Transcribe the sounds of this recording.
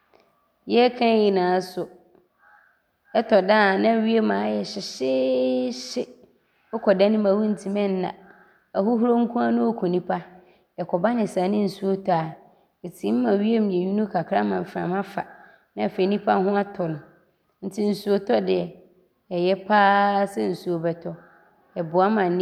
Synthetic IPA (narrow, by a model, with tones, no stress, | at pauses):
jɛ˦kʰã˦ji˨nãː˨˦sʊ˨ | ɛ˦tʰɔ˨da˦˨nã˦ɥi˦e˦mãː˨˦jɛ˨ɕɪ˨ɕɪ˦ɕɪ˦ | ɔ˦kʰɔ˨da˦nɪ̃˦mã˨wu˦n̩˨tʰi˨mɛ̃˦n˦nã̰˨ | a˨ɦʊ˦ɦu˦ɾo˦ŋ̩˦kʰũ˦a˦nʊ̃˦ɔ˦kʰɔ˨nĩ˦pʰa˦ | ɛ˨kʰɔ˨ba˦nɪ̃˨sãː˨˦nɪ̃˦n̩˨su˦o˦tʰɔ˦a˨ | e˨tʰĩ˨˦mː˦ã˨ɥi˦e˦m̩˨ɲẽ˨ɲu˦nũ˦kʰa˨kʰɾa˦mã˨m̩˨fɾã̰˨mã˦fa̰˨ | nã˦ɛ˨fe˨˦nĩ˦pʰa˦ɦʊ̃˦a˦tʰʊ˨nʊ̃˨ | n̩˦tʰi˦n̩˨su˦o˦tʰɔ˦dɪ˨ɛ˨ | ɛ˨jɛ˦pʰaː˦sɛ˦n̩˨su˨o˨bɛ˨tʰɔ˨ | ɛ˨bʊ˨a˦mã˨˦